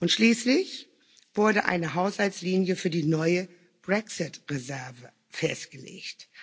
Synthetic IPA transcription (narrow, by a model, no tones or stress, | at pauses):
ʔʊntʃliːslɪç | v̥ʊɐdəʔa̰ɪnəɦaʊshalsliːnjəfyːɐdiːnɔʏə | b̥ʁɛksɪtʁezɛɐvə | fɛstɡ̥əlḛːçt